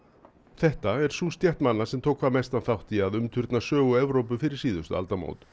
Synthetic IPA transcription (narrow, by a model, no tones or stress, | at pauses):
θɛht̪aɛɾ̥suːst̪jɛht̪manːasɛmt̪ʰoːwkʰvaɾmɛjst̪anθawht̪iaðʏmt̪ʰʏɾt̪nasœːɣʏɛvɾowp̬ʏfɪɾɪɾ̥siːðʏst̪ʏ̰a̰lt̪amo̰wt̪